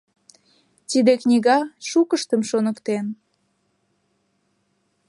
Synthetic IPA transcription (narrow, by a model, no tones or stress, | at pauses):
t̪id̪eknʲiɣɑʃukəʃt̪əmʃonəkt̪en